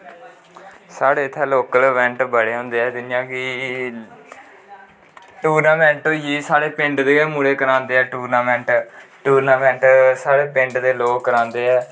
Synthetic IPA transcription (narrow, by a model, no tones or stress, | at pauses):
saːɽeːt̪ʰɛːloːkəlʋɛ̃ːɳʈbəɽeːɦõːnd̪eːɛːd̪ɪnɪjãːki | ʈuːɾnaːmɛ̃ːɳʈõːjiːsaːɽeːpɪɳɖd̪eːmuːɽeːkəɾãːnd̪eːɛːʈuːɾnaːmɛ̃ːɳʈʈuːɾnaːmɛ̃ːɳʈsaːɽeːpɪ̃ɳɖd̪eːloːɡkəɾãːnd̪eːɛː